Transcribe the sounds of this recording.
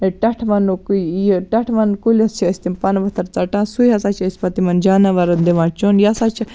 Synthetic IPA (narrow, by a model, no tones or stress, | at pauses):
ʈɐʈʰmɐnukjiʈɐʈʰʋɐnkulʲɐst͡ʃʰiɐsʲt̪impɐnʋɐt̪ʰɐɾt͡sɐʈãːsujɦɐsat͡ʃʰɐsʲpɐt̪imɐnd͡ʒaːnɐʋɐɾɐnd̪iʋãːt͡ʃonjɐsat͡ʃʰi